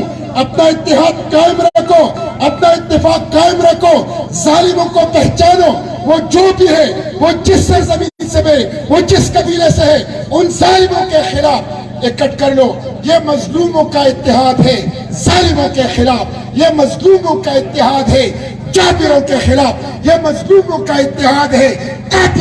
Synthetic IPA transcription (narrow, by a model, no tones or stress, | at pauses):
ɐpnaɪt̪ːɪɦaːd̪̚qaːɪmɾɐkʰoːɐpnaɪt̪ːɪfaːkːaːɪmɾɐkʰoːzaːlɪmõkopɛɦt͡ʃaːnoː | ʋoːd͡ʒoːbʱiɦɛ | ʋod͡ʒɪsːɐɾzɐmĩːsebẽʋoːd͡ʒɪskɐbiːleseɦɛ | ʊnzaːlɪmõkexɪlaːf | ekɐʈkɐɾloːjemɐzluːmõkaɪt̪ːɪɦaːd̪ɦɛ | zaːlɪmõkexɪlaːf | jemɐzluːmõkaɪt̪ːɪɦaːd̪ɦɛː | t͡ʃaːfɪɾõkexɪlaːf | jemɐzluːmõkaɪt̪ːɪɦaːd̪ɦɛː | kaːt̪